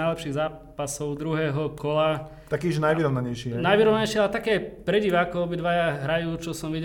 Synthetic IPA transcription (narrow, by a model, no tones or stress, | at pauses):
ajlɛpʃiːɣzaː | pasɔʊd̪ɾuɦɛːɦɔkʰɔla | t̪akiːʒɛnajʋiɾɔʋnaɲɛjʃiɛnajʋiɾɔʋnɲɛjʃɪalɛt̪akɛːpɾɛɟiʋaakɔɔbid̪ʋajaɦɾajuːt͡ʃɔsɔmʋiɟ